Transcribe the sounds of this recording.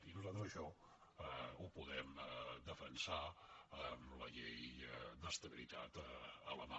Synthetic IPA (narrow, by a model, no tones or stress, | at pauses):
inuzalˠt̪ɾəzəʃɔ | upuðɛmd̪əfənsaəmləʎejd̪əst̪əβilit̪a̰t̪əələma